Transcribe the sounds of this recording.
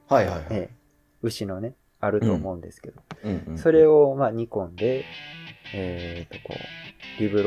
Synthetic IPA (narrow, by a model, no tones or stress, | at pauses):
hajhaeː | ɯ̟ɕino̞ne̞ | aɾɯ̟t̪o̞ːmo̞ɯ̟̃nd̪e̞sɨ̥ke̞d̪oso̞ɾe̞o̞maɲ̟ikõ̞nd̪e̞ː | t̪ːo̞ko̞̰ːɾʲibɯ̟ɾ